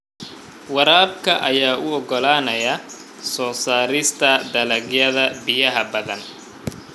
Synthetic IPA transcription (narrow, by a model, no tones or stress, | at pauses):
wɑɾaːbkʰɐʔɐjaːʔʊɔɡɔlaːnɐjɐ | sɔːsaːɾɪst̪ʰɐd̪ɐlɐɡjɐðɐbɪjɐɦɐbɐðɐn